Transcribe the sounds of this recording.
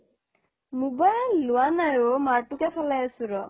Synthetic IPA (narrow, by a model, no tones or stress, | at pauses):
mubajlːʊwanajomaʈukɛsɔlajasuɾɔ